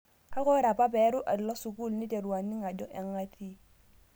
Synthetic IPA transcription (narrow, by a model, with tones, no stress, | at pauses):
a˦kɔ˦ɾa˨pa˦bɛ˨˦ɾu˦ʔa˨dlɔ˦su˨ku˦lni˦te˨ɾu˨wa˨nːi˦ŋa˨d͡ʒɔ˦ʔɛ˨ŋːa˦ti˦